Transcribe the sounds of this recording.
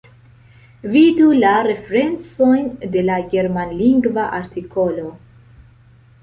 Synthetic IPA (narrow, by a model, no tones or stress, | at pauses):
vidulaɾe̞feɾe̞nt͡so̞jnde̞laɡe̞ɾmanliŋɡvaʔaɾtiko̞lo̞